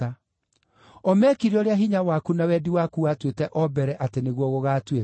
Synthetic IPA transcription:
a | ɔmɛkiɾiɔɾeaɦiɲawakunawɛdiwakuatwetɛʔɔbɛɾɛʔateneɣwɔɣoɣaːtwe

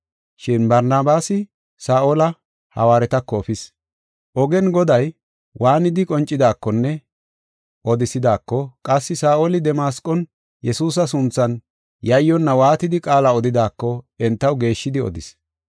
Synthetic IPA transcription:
ʃɪnbɐɾnaːbaːsɪ | saːʔolɐ | hɐ̰waːɾɛt̪ɐkːɔːfɪs | ʔɔɡɛnɡɔd̪ɐj | wʔaːnɪd̪ɪkʼɔnt͡ʃʼːɪd̪aːkːɔnːɛ | ʔɔd̪ɪsɪd̪aːkːɔkʼɐsːɪsaːʔolɪd̪ɛmaːskʼɔn | jɛsuːs̬ɐs̬ʊnt͡sːɐn | jɐjːɔnːɐwaːt̪ɪd̪ɪkʼaːlɐɔd̪ɪd̪aːkːɔɛnt̪ːɐwɡe̞ːʃːɪd̪ɪɔ̰d̪ɪs

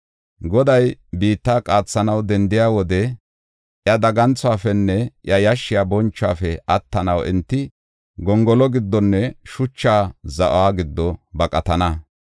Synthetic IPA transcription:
ɡɔd̪ɐjbiːt̪ːaːkʼaːt͡sːɐnɐwd̪ɛnd̪ɪjaːwɔd̪ɛ | ʔjɐd̪ɐɡɐnt͡sːʊaːfɛnːɛʔjɐjɐʃːɪjaːbɔnt͡ʃːa̰ːfɛɐt̪ːɐnɐwɪ̰nt̪ːɪ | ɡɔŋɡɔlɔɡɪd̪ːɔnːɛʃʊt͡ʃːaːzɐʔʊ̰aːɡɪd̪ːɔbɐkʼɐt̪ɐnɐ

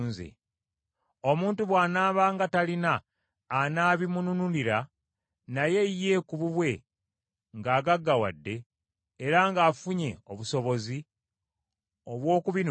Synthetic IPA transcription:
nzḛ | o̞muːntuβwaːnaːβaŋɡatalinaː | naːβimununuliɾa | naje̞jːe̞kuβuβwe̞ | ŋɡaːɡaɡːawa̰dːe̞ː | ɾaŋɡaːfuɲe̞oβuso̞βo̞zi | oβwo̞ːkuβin

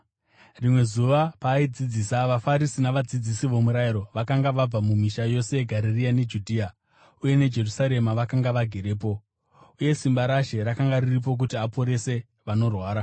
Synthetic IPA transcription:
rimwe̞zuʋapaid͡zid͡ziːsaʋafaɾisinaʋad͡zid͡zisiʋo̞muɾajiɾo̞ʋakaŋɡaʋab͡vamumiʃajo̞se̞jeɡʱaɾeriane̞d͡ʒudʱiːa | uje̞ned͡ʒe̞rusaɾe̞maʋakaŋɡaʋaɡʱe̞ɾe̞ːp̬o̞ | uje̞simbaɾaʃe̞ɾakaŋɡaririp̬o̞k̬utiapo̞ɾe̞se̞ | ʋano̞rwaːɾa

